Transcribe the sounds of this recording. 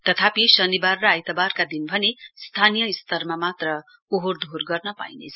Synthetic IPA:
t̪ʌt̪ʰapisʌnibarːʌajt̪ʌbarkad̪inbʱʌnest̪ʰanijʌist̪ʌrmamat̪rʌ | oɦord̪ʱorɡʌrnʌpa̰jnḛt͡sʰ

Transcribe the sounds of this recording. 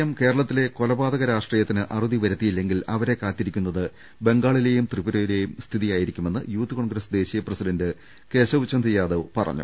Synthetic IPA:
ɐmke̞ːɾɐɭɐt̪ːile̞ko̞lɐbaːd̪ɐɣɐɾaːʂʈriːjɐt̪ːinɨʔɐruðiʋɐɾɐt̪ːijilːe̞ŋɡilɐʋɐɾe̞kaːt̪ːiɾikʲːunːɐðɨ | be̞ŋɡaːɭile̞ːjumt̪ribuɾoːjile̞jumst̪ʰiðijaːjiɾikʲːume̞nːɨjuːt̪ːɨko̞ɳɡɾɐsd̪e̞ːɕijɐprɐsidɐndɨ | ke̞ːɕɐʋut͡ɕːɐnd̪ijaːðɐʋpɐrɐ̰ɲːṵ

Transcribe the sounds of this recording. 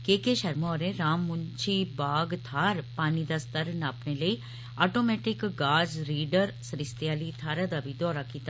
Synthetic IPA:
keːkeʃɐɾmɔːɾẽɾaːmːʊɲt͡ʃʰibaːɡt̪ʰaːɾpaːnid̪ast̪əɾnaːpneləi | aːʈomɛːʈɪkɡaːzɾiːɖəɾsəɾɪst̪jaːlit̪ʰaːɾad̪abid̪ɔːɾakit̪

